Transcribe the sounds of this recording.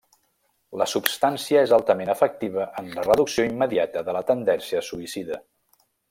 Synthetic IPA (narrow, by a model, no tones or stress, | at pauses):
ləsupst̪ansiəezalˠt̪əmenəfək̚t̪iβ̞əʔənlərəðuksioimːəðiat̪əðələt̪ənd̪ɛnsiəsuisiðə